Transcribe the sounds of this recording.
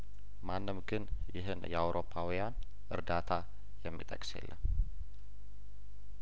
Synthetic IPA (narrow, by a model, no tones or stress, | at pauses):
manːɨmɡɨnjɪɦɨnjɛawɾʔo̞pʰːawijan | ʔɨɾd̪at̪ʰa | jɛmːit̪ʼəkʼsjḛlːə̰n